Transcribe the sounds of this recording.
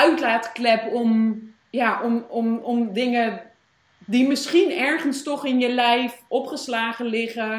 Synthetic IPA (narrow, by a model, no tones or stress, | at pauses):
œɥtlaːtə̥klɛpɔm | jaʔɔmɔmɔmdɪŋə | dimɪsχinɛɹχənstɔχɪnjəlɛjfʔɔpχəslaːχəlɪχə